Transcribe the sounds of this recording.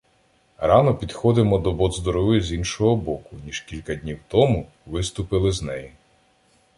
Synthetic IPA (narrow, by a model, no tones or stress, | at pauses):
ɾɑnɔpʲid̪xɔd̪ɪmɔd̪ɔbɔd̪zd̪ɔɾɔʋɪzʲinʃɔɦɔbɔkʊnʲiʒ̥kʲilʲkɐd̪ʲnʲiwt̪ɔmʊ | ʋɪst̪ʊpɪlˠɪznɛji